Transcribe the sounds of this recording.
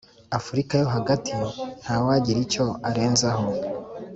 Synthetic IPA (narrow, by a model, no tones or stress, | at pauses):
afuɾikajo̞ɦaɡatʰin̥hawaɟiɾico̞aɾe̞ːnzaho̞